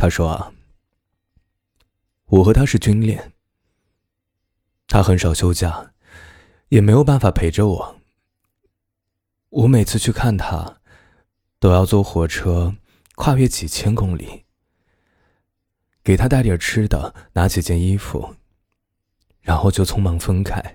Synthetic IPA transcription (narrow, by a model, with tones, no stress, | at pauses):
t̪ʰa˥ʂwɔ˥ɐ̰˩ | wɔ˨˩xɤ˧˥t̪ʰa˥ʂɻ̩˥˩t͡ɕy˥nljɛ̰˥˩n | t̪ʰa˥xə˧˥nʂɑ˨˩ʊɕjo˥ʊt͡ɕja˥˩ | jɛ˨˩me˧˥ɪjo˨˩ʊpa˥˩nfa˨˩pʰe˧˥ɪʈ͡ʂə˧wɔ˨˩˦ | wɔ˧˥me˨˩ɪt͡sʰɹ̩˥˧t͡ɕʰy˥˧kʰa˥˩nt̪ʰa̰˥ | t̪o˥ʊjɑ˥˧ʊt͡swɔ˥˩xwɔ˧˥ʈ͡ʂʰɤ˥ | kʰwa˥˧ɥɛ˥˩t͡ɕi˨˩t͡ɕʰjɛ˥nkʊ˥ŋlḭ˨˩˦ | ke˨˩ɪt̪ʰa˥t̪a˥˩ɪt̪jə˞˨˩ʈ͡ʂʰɻ̩˥d̪ə̰˨na˧˥t͡ɕʰi˨˩t͡ɕjɛ˥˩ni˥fṵ˨˩˦ | ɻa˧˥nxo˥˧ʊt͡ɕjo˥˩t͡sʰʊ˥ŋmɑ˧˥ŋfə˥ŋkʰa˥˩ɪ